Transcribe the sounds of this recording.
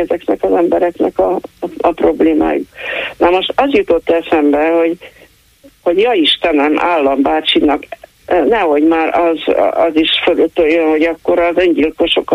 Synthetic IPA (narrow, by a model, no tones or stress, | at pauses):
ɛzɛknɛkɒzɛmbɛɾɛknɛ̰kɒɒpro̞bleːma̰ːjuknɛmoʃt̪ɒzjut̪o̞t̪ːɛsɛmbɛho̞ɟ | ho̞ɟjɒiʃt̪ɛnɛma̰ːlːɒmbaːt͡ʃinɒk | nɛho̞ɟmaːɾɒz̰ɒziʃføløt̪ːøːjønho̞ɟɒkːo̞ɾɒzøɲɟilko̞ʃo̞k